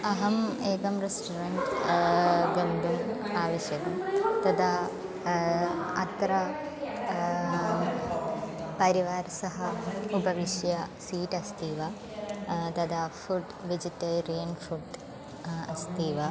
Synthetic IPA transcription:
ɐɦɐmeːkɐmresʈuɾɐnʈ | ʋɐmd̪um | aːʋɐɕjɐkɐmt̪ɐd̪a | ɐ̰t̪ɾɐ | pɐɾiʋaːɾsɐɦɐubɐʋiʂjɐsiːʈɐst̪iːʋɐ | t̪ɐd̪afuɖ | ʋid͡ʑit̪ːɐlɾeːnfuɖ | ɐst̪iːʋɐ

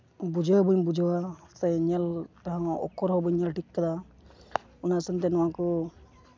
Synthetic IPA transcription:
bud͡ʒɔɦbɔmbud͡ʒɔwasɛɲɛlt̪aɦãɔ̰kɔɾɦɔbɔjɲɛlʈikkːad̪a | ɔnasɛnt̪̬ɛnɔwakɔ

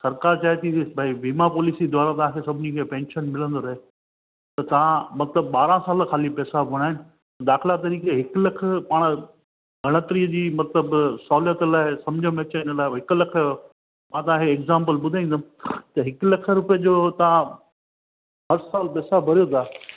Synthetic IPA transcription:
sɐɾkaːɾt͡ɕaːɦet̪ʰibʱaiʋiːmapɔːlɪsid̪ʱaːɾat̪ɐʋ̤ãkʰesɐbʱɪnikʰepɛ̃ːnʃənmɪlə̃nd̪oːɾɐɦe | t̪ɐt̪ɐʋ̤ãmɐt̪ləbɓaːɾãsaːlkʰaːlipɛːsabʱʊɽ̃aːɦɪnɪ̆ | t̪ɐd̪aːxɪlat̪̬ɐɾiːkeɦɪklɐkʰpaːɽ̃ | ɡʱɐɽ̃ət̪ɪɾiːəd͡ʑiːmɐt̪ləbsɔːljət̪laːɪsɐmd͡ʑʱə̃mẽɐt͡ɕəɪnəlaːɦɪklɐkʰə | mãːt̪ɐʋãkɛːɡzãːmpəlɓʊd̪ʱaːĩːnd̪at̪ɐɦɪkʊlɐkʰə̆ɾʊpiəd͡ʑoːt̪ɐʋã | ɦɐɾsaːlpɛːsabʱɐɾijot̪ʰaː

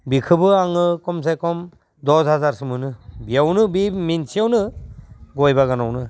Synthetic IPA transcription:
bikʰɯbɯaŋɯkɔms̬ajkɔm | d̪ɔzɦazaɾsɯmɯnɯbijawnɯbiminsʰijawnɯ | ɡɔjbaɡanawnɯ

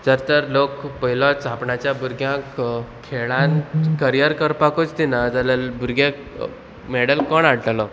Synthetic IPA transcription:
t̪əɾt̪əɾlokpəɦilɔ̃t͡sapɳat͡ɕjabuɾɡjãkkʰːeɭãnkəɾijəɾkəɾpakot͡st̪inad͡zaləlbʱuɾɡjãk | mɛɽəlkɔɳaɽʈalɔ

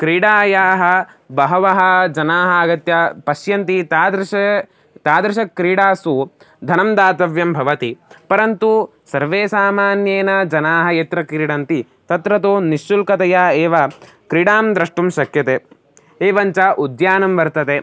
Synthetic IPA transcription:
kɾiːɽaːjaːɦɐ | bɐɦɐʋɐɦɐd͡ʒɐnaːɦɐːɡɐt̪jɐpɐʃjɐnt̪it̪aːd̪ɾɐʃɐ | t̪aːd̪ɾɐʃɐkːɾiːɽaːsu | d̪ʱɐnɐmd̪aːt̪ɐʋjɐmbʱɐʋɐt̪ipɐɾɐnt̪u | sɐɾʋeːsaːmaːnjeːnɐd͡ʒɐnaːɦɐjet̪ɾɐkiɾiɽɐnt̪i | t̪ɐt̪ɾɐt̪oːniʃːulkɐt̪ɐjaːeːʋɐ | kɾiɽaːmd̪ɾɐʂʈumʃɐkjɐt̪eː | eːʋɐɲt͡ʃaʔud̪jaːnɐmʋɐɾt̪ɐt̪eː

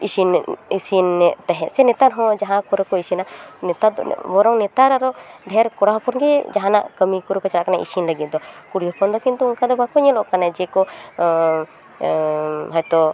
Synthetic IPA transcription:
isinisinːɛt̪aɦɛ̃ʔsɛnɛt̪aɾɦɔ̃d͡ʒaɦãkɔɾɔkɔisinaʔnɛt̪ad̪ɔ̰bɔɾɔŋnɛt̪aɾaɾɔɖʱɛɾkɔɽaɦpɔnɡɛd͡ʒaɦãna̰ʔkəmikuɾukɔt͡ʃalaʔkanaʔḭsinləɡit̪̚d̪ɔkuɽijɔpʰɔnd̪ɔkint̪uunkad̪ɔbakɔɲɛlɔʔkanad͡ʒɛkɔ | ɦɔjt̪ɔ

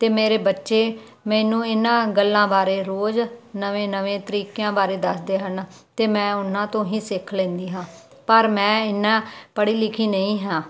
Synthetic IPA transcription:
t̪eːmeːɾeːbətːʃeː | mɛ̃ːnũːɪnãːɡəlːãːbaːɾeːɾoːd͡ʒnəʋẽːnəʋẽːt̪əɾiːkejãːbaːɾeːd̪əsd̪eːɦən | t̪eːmɛ̃ːʊnãːt̪õːɦĩːsɪkʰlɛ̃ːnd̪iːɦãː | pəɾmɛ̃ːɪnːãːpəɽiːlɪkʰiːnəĩːɦãː

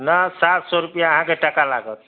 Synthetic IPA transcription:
nasat̪ʰsɔɾupjãəɦãkeʈəkala̰ɡət̪

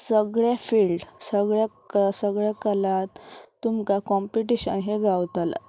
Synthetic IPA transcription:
səɡɭafilɖsəɡɭaksəɡɭakəlat̪ːumkakɔmpiʈiɕə̰nɦeɡawt̪al̰

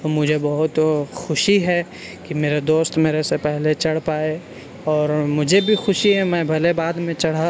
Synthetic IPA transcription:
t̪omʊd͡ʒʱebɐɦʊt̪xʊʃiɦɛ | kimeːɾad̪oːst̪meːɾesepɛɦlet͡ʃɐɽ̤paːe | ɔːɾmʊd͡ʒʱebʱixʊʃiɦɛmɛ̃bʱɐlebaːd̪mẽt͡ʃɐɽ̤a

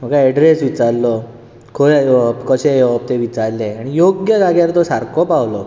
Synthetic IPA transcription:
m̤əkaɛɖɾesʋit͡saɾlɔ | kʰojpkɔɕejʋp̚t̪eʋit͡saɾlẽaɽ̃ijoɡjəd͡zaɡjaɾt̪ɔsaɾkɔpawlɔ

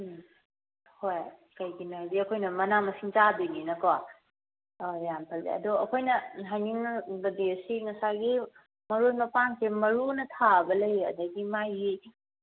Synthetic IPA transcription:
hojkɐjɡinodiɐkʰojnɐmɐnamɐsiŋt͡ʃadininɐkawa | jampʰɐldḭɐ̰dɔɐkʰojnɐɦajniŋnɐɡɐdiɐsiŋɐsaɡi | mɐɾojmɐpansemɐɾunɐtʰabɐlɐjɐ̰dɐɡimaji

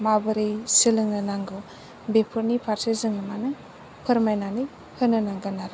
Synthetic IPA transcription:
mabɯɾɯjsilɯŋnɯnaŋɡɯ | bepʰɯɾnipʰaɾsʰezɯŋɯmanɯ | pʰɯɾmajnanɯj | hɯnɯnaŋɡɯnaɾ

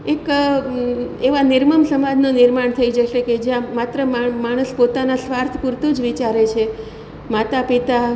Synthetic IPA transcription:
ek | eʋanɪɾməmsəmad͡ʒnonɪɾmaɳt̪ʰəid͡ʒəʃeked͡ʒjãmat̪ɾəmamaɽ̃əspot̪anasʋaɾt̪ʰkuɾt̪ũd͡ʒʋit͡ʃaɾet͡ʃʰe | mat̪apit̪a

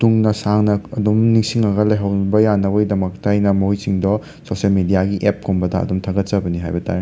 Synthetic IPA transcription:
tuŋnɐsaŋnɐɐdumniŋsiŋɐɡɐlɐjɦɐwnbɐjanːɐbɐɡidɐmɐk̚tajnɐmjsiŋdɔ | sosiɐlmedijaɡiʔep̚kʰombɐdɐɐ̰dumtʰɐŋɡɐt̚t͡ʃɐbɐniɦajbɐtʰa̰ɾ

